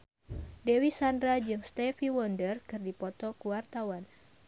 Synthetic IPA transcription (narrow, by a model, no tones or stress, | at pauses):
dewisandɾad͡ʒɨŋst̪ɛfiwɔndərkɨrdipɔt̪ɔkuwart̪awan